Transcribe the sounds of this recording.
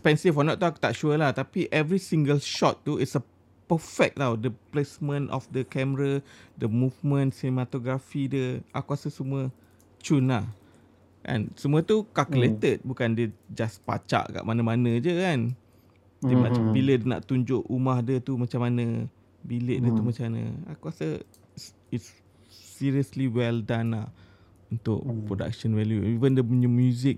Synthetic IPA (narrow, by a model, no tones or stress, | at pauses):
spɛnsifɔnɔʔt̪uaku̥t̪aʔʃuəlaht̪apiʔɛvɾisiŋɡəlʃɔt̪ːuitsə | pəfɛk̚tawdəplesmə̃nɔ̰fdəkɛməɾadəmuvmə̃nsinemat̪oɡɾafidəa̰kuasəsəmuə | t͡ʃunlah | ka̰nsəmũət̪ukakəlet̪ət̪̚bukandəd͡ʒaspa̰t͡ʃa̰ʔka̰ʔmanamanə̃d͡ʒəkan | dimaabilədəna̰ʔt̪uɲd͡ʒʊʔumahdət̪umat͡ʃamanə | bilɪʔ̚diət̪umat͡ʃamanə̰̃a̰kuasə | itsː | iɹiəsliwɛldanlah | unt̪ʊ̰ʔpɾoda̰k̚ʃənvɛljuivəndəmɲumjuzɪk̚